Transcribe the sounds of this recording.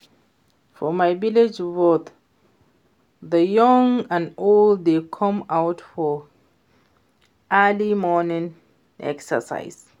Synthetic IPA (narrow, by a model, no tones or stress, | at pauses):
fɔmajviled͡ʒvot̪ | ðəjɔ̃ŋãndolddekʰɔ̃mawtfɔ | ʔɜlimɔnĩŋ | ʔɛ̰ksə̰sa̰ɪs